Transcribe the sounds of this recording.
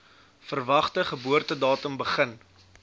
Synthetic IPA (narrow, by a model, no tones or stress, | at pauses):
fərvɐχtəχəbuərtədɑːtəmbəχən